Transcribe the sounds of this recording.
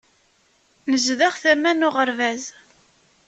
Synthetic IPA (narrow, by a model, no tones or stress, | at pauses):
nəzðaχθæmænʊʁəɾvæz